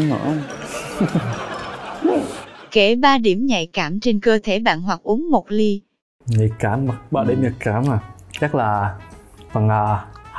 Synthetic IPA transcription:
ŋə̰˧˥˨ | ke˧˩ɓaː˧ɗi˧˩əmɲa̰˧˨jkaː˧˩mt͡ɕe˧nkəː˧t̪ʰe˧˩ɓa̰ː˧˨nɦwa˨˩k̚ʔu˨˦əŋmo˨˩t̚li˧ | ɲa˨˩kaː˧˩ma˨˩ɓa̰ː˧˨ɗi˧˩˦mɲə˨˩kaː˧˦ma˨˩t͡ɕa˦˥k̚laː˨˩ | fə˨˩ŋaː˨˩

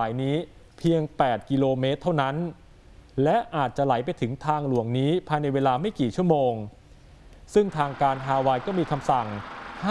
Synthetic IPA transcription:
aː˩˦jniː˦˥ | pʰi˧əŋpɛː˨˩t̪̚ki˧loː˧meː˦˥t̪ʰːa˥˩wna˦˥n | lɛ˦˥ʔaː˨˩t̪̚t͡ɕa˨˩la˩˦jpa˧jt̪ʰɯ˩˦ŋt̪ʰaː˧ŋlu˨˩˦əŋniː˦˥pʰaː˧jna˧jweː˧laː˧ma˥˩jkiː˨˩t͡ɕʰu˥˩əmoː˧ŋ | sɯ˥˩ŋt̪ʰaː˧ŋkaː˧nɦaː˧waː˧jkɔː˥˩miː˧kʰa˧msa˨˩ŋha˥

